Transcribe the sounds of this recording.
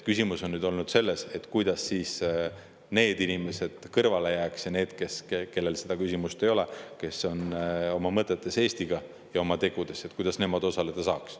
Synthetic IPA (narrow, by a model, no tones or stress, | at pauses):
kysʲimuso̞nːyːd̪o̞lnud̪̥se̞lːe̞se̞t̪ːˑkujd̪̥ɑsːiːs | ne̞ːd̪inime̞se̞d̪̥kɤrvɑle̞jæːksjɑne̞ːd̪̥ke̞seke̞lːe̞lse̞d̪ɑkysʲimust̪e̞jo̞le̞ke̞so̞no̞mɑmɤt̪ːˑet̪ːˑe̞se̞ːst̪iɡ̥ɑ | jɑo̞mɑt̪e̞ɡ̥ud̪̥e̞set̪kujd̪̥ɑsne̞mɑd̪̥o̞sɑle̞d̪ɑsɑːks